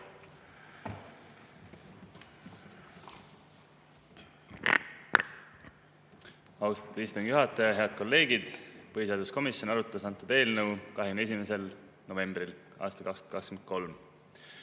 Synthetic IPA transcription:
ɑwst̪ɑ̥t̪ːˑu̥ist̪uŋɡ̥juɦɑt̪ːˑɑjɑɦe̞ɑd̪̥̚ko̞lːe̞ːɡid̪̥pɤhiseɑd̪usko̞misjo̞nɑɾut̪ːˑɑsɑnt̪ːˑud̪̥e̞ːlnəwkɑɦeɡyne̞s̬imese̞l | no̞ve̞mb̥ɾil | ʔɑ̰ːst̪ɑkɑksd̪̥ɑkɑkskyment̪̚ko̞lm

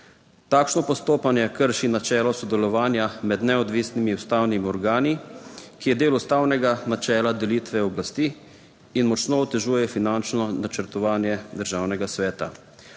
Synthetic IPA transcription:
t̪aːkʃnɔpɔst̪oːpanjɛkəɾʃinat͡ʃɛːlɔsɔd̪ɛlɔʋaːnjamɛd̪nɛɔd̪ʋiːsnimiust̪awnimiɔɾɡaːnikijɛd̪eːlust̪aːwnɛɡanat͡ʃɛːlad̪ɛliːt̪ʋɛɔblast̪iː | inmɔt͡ʃnoɔt̪ɛʒuːjɛfinant͡ʃnɔnat͡ʃəɾt̪ɔʋaːnjɛd̪əɾʒaːwnɛɡasʋɛːt̪a̰

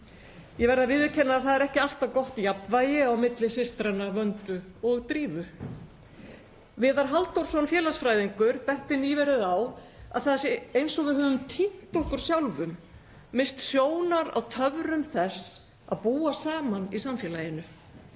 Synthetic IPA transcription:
jɛvɛɾðavɪðɪcʰɛnːaːθaðɛɾɛhcɪal̥t̪avkɔht̪japnvajɪawmɪt̪lɪsɪst̪ɾanavœnt̪ʏɔɣt̪ɾiːvʏ | vɛːðaɾ̥ɦalt̪owɾ̥sɔnfjɛːlasfɾaːjðiŋkʏɾpɛh̪t̪ɪniːvɛɾɪðaw | a̰ðθaðsejnsɔɣvɪðɦœːvʏmt̪ʰin̥t̪ɔhkʏɾ̥sjawlvʏmː | ɪnst̪sjoːwnaɾa̰wt̪ʰœvɾʏmθɛs | a̰ðpuːasaːmanisamfjɛːlaːjɪnʏ

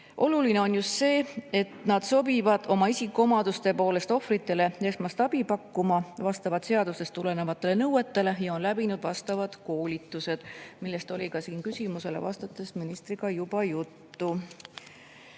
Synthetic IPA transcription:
ʔo̞luline̞o̞njust̪se̞ːe̞t̪nɑd̪̥so̞bivɑd̪̥o̞mɑisikːˑomɑd̪̥ust̪e̞po̞ːle̞st̪o̞frit̪ːˑe̞le̞e̞smɑst̪ɑbipɑkːumɑvɑst̪ɑvɑd̪̥se̞ɑd̪̥usest̪ːule̞nevɑt̪ːˑe̞le̞nɤwe̞t̪ːe̞le̞jɑo̞nlæbinud̪̥vɑst̪ɑvɑd̪̥ko̞ːlʲit̪ːˑuse̞d̪̥milːe̞st̪o̞lʲikɑsiːnkysʲimuse̞le̞̰vɑ̰st̪ɑt̪ːˑesminist̪riɡ̥ɑjub̥ɑjut̪ːu

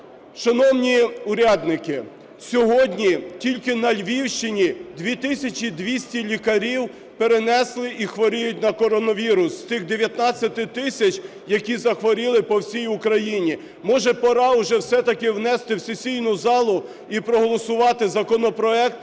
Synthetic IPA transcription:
ʃɐnɔwnʲiʊɾʲad̪nɪkɪ | sʲɔɦɔdʲnʲitʲilʲkɪnɐlʲʋʲiwʃt͡ʃɪnʲid̪ʲʋʲit̪ɪsʲɐt͡ʃʲid̪ʋʲisʲtʲilʲikɐɾʲiw | peɾenɛslˠɪixʋɔɾɪjʊt̚ʲnɐkɔɾɔnɔʋʲiɾʊst̪ɪxd̪eʋʲjɐt̪nɑt͡sʲːɐt̪ɪt̪ɪsʲɐt͡ʃʲ | jɐkʲizɐxʋɔɾʲɪlˠɪpɔwsʲijʊkɾɐjinʲi | mɔʒɛpɐɾɑʊʒɛwsɛt̪ɐkɪwnɛst̪ɪwsʲesʲijnʊzɑlˠʊ | ipɾɔɦɔlˠɔsʊʋɑt̪ɪzɐkɔnɔpɾɔɛk̚t̪

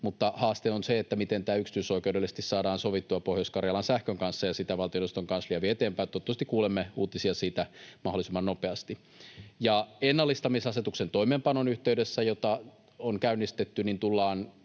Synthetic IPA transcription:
mut̪ːɑhɑːst̪eonseet̪ːæmit̪ent̪æːyksi̥t̪yysoikewdelːise̥st̪issɑːdɑːnsoʋit̪ːuɑpohjoskɑrjɑlɑnsæhkøŋkɑnsːɑjɑsit̪æʋɑlt̪ioost̪oŋkɑnsliæʋiet̪eːmpæˑjt̪ot̪ːust̪ikuːlemːeuːt̪isiɑsiːt̪æmɑholˑisimːɑnnopeɑst̪i | jɑenːɑlːist̪ɑmisɑset̪uksent̪oimeːmpɑnonyht̪eydesːæjot̪ɑ | oŋkæynːist̪et̪ːynint̪ulːɑːn

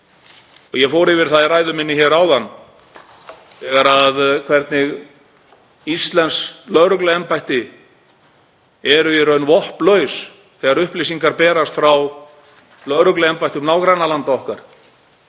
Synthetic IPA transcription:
ɔɣjɛfoːwɾɪvɪɾ̥θaðraːjðʏmɪnːɪçɛɾaːwðanː | θɛɣaɾaðkʰvɛɾt̪nɪɣ | ist̪lɛnslœɾʏklʏɛmpajht̪ɪ | ɛɾʏɪɾœɥnvɔhplœːɥs | θɛːɣaɾʏhplisiŋkaɾpɛːɾast̪fɾaw | lœɾʏklʏɛmpajht̪ɪmnaːwkɾanalant̪aɔhkaɾ̥

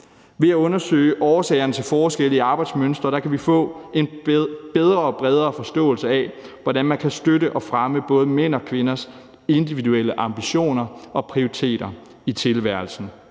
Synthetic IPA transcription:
ʋe̝æɔ̽nɐsø̰ːɪəʔɒːsɛ̰ːɪɐnət͡sʰe̝lfɒːsɡ̥el̰əiɑ̈ːb̥ɑ̈ɪd̥smønsd̥ʁɐɾ̥ɑ̈kʰæʋifɔ̰̽ːe̝nb̥eð̞ˠʁɐːb̥ʁɛð̞ˠʁɐːfɒ̽sd̥ɔ̰̽ːl̩səɛʋɒdænmænkʰæsd̥øɾəʔɒ̽fʁɑməb̥ɔ̽ːð̞̩ˠəmen̰ɒ̽kʰʋe̝nɐs | e̝nd̥iʋiðuel̰əʔɑ̈mb̥iɕo̝̰ːnɐɒ̽pʰʁioʁit͡sʰe̝̰ːd̥ɐ | it͡sʰe̝lʋæɐ̰l̩sn̩

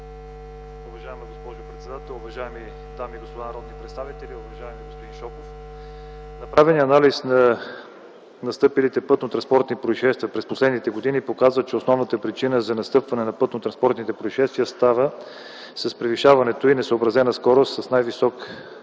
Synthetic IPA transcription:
ʊvɐʒajɛməɡospɔʒʊpɾɛt̪sɛd̪at̪ɛlˠʊvɐʒajɛmi | d̪amiɡospod̪anɾɔd̪nipɾɛt̪st̪avit̪ɛliovɐɐʒaɛmiɡospod̪inʃɔkof | nɐpɾavɛniəɐnalisnɐ | nɐst̪ɤpilit̪ɛpɤt̪not̪ɾɐnspɔɾt̪nipɾoiʃɛst̪viəpɾɛsposlɛd̪nit̪ɛɡod̪inipokazvət͡ʃɛosnɔvnət̪əpɾit͡ʃinəzɐnɐst̪ɤpvɐnɛnɐpɤt̪not̪ɾɐnspɔɾt̪nit̪ɛpɾoiʃɛst̪vʲiəst̪avə | sɐspɾɛviʃavɐnɛt̪oinɛsoːbɾɐzɛnɐskɔɾossɐsnajvisɔk

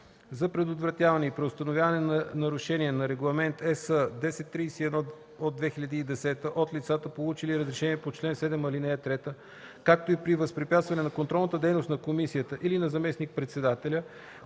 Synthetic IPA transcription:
zɐpɾɛd̪ot̪vɾɐt̪ʲjavɐnɛipɾɛost̪ɐnovjavɐnɛnnɐɾʊʃɛniɛnɐɾɛɡlˠɐmɛnt̪ɛsəd̪ɛsɛt̪ːɾisiɛd̪nɔ | od̪vɛxiʎʲəd̪iːd̪ɛsɛt̪əʔot̪lit̪sat̪əpolˠut͡ʃiliɾəzɾɛʃɛniɛpot͡ʃlɛnsɛd̪ɛmɐlinɛət̪ɾɛt̪ə | kak̚t̪oipɾivəspɾipʲjat̪st̪vɐnɛnɐkont̪ɾɔlˠnət̪əd̪ɛjnost̪nɐkomisijət̪əʔilinɐzɐmɛsnik̚pɾɛt̪sɛd̪at̪ɛlʲə

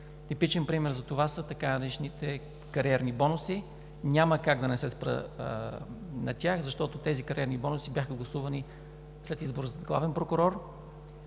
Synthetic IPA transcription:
t̪ipit͡ʃɛnpɾimɛɾzɐt̪ovasət̪ɐkanɐɾɛt͡ʃnit̪ɛ | kɐɾiɛɾnibɔnʊsi | nʲaməkaɡd̪ɐnɛsɛspɾə̰ | nɐt̪ʲjaxzɐʃt̪ɔt̪ot̪ɛzikɐɾiɛɾnibɔnʊsibʲjaxəɡlˠɐsuvɐni | slɛt̪izboɾəzɐɡlˠavɛnpɾokʊɾɔɾ

